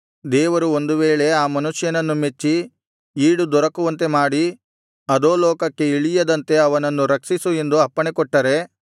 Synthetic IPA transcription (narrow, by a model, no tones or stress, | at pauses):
d̪ɛːʋɐɾuond̪uʋeːɭe̞aːmɐnuʂjɐnɐnːumet͡ʃːi | iːɽud̪ɔɾɐkuʋɐnt̪e̞maːɽi | ɐd̪oːlɔːkɐkːe̞iɭijɐd̪ɐnt̪e̞ɐʋɐnɐnːuɾɐkʂisue̞nd̪uɐpːɐɳekɔʈːɐɾe̞